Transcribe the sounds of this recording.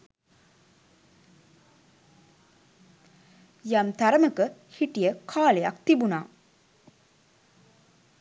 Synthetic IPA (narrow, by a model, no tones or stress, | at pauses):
jamt̪aɾəməkə | hiʈijəkʰaːlejakt̪ibunaː